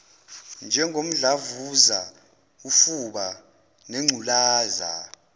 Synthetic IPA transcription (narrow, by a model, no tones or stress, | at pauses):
nd͡ʒʱɛŋʱom̩ɮavuza | ufuɓa | nɛŋ͡ǀʱulaːza̰